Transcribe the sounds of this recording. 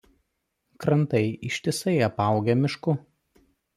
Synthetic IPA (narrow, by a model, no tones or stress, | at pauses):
kɾɐnt̪ɐɪɪʃʲt̪ʲɪsɐɪɐpɑˑʊɡʲɛmʲɪʃkʊ